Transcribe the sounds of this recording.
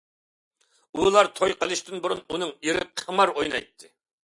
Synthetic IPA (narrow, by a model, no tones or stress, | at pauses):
ulˠɑɾt̪ʰojqəlˠɨʃt̪ɨnbuɾununɨŋiɾɪp̚qʰəmɑɾojnɑ̰jt̪ʰːɨ